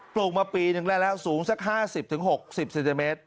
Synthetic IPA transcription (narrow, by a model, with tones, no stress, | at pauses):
plu˨˩k̚maː˧piː˧nɯ˨˩ŋlɛː˥˩lɛː˦˥˩wsuː˩˦ŋsa˦˥k̚ɦaː˥˩si˨˩p̚t̪ʰɯ˩˦ŋɦho˨˩k̚si˨˩p̚se˨˧nt̪iː˧meː˦˥t̪̚